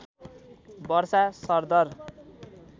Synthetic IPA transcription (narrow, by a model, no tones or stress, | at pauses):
bʌrsasʌrd̪ʌr